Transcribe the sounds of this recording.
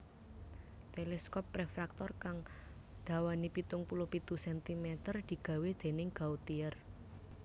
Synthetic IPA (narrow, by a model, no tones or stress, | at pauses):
t̪elɛskɔpːɾɛfɾak̚t̪ɔrkaŋ | d̪̥a̤wanipit̪ʊŋpulʊhpit̪usɛnt̪imɛt̪ərd̪̥i̤ɡ̥a̤wed̪̥e̤nɪŋɡ̥a̤ut̪iər